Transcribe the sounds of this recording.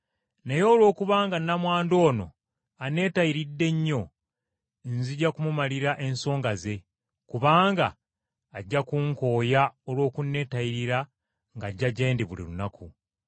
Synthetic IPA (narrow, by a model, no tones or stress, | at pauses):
ne̞jo̞ːlwo̞ːkuβaːŋɡanːamwaːndo̞ːno̞̰ | ane̞ːtajiɾidːe̞ɲːo̞ | nziɟakumumaliɾaʔe̞nso̞ːŋɡaze̞ | kuβaːŋɡaː | ɟːakuŋko̞ːjaolwo̞ːkunːe̞ːtajiɾiɾa | ŋɡaɟːaɟe̞ːndiβulḭlunakʰu